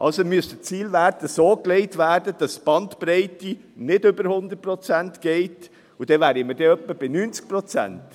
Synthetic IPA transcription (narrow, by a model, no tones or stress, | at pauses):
ʔɑlsomyəstət͡siːlvæːɾdəsoːkleɪtʋæːɾdəd̥ɑsb̥ɑntpɾɛɪti | nɪdʏbəɾhʊnd̪ət̚pɾɔt͡sæntɡ̥ɛɪt | ud̥ɛʋæːɾiməd̥ɛœpːəb̥ɪnyːnt͡sk̚pɾɔt͡sæ̰nt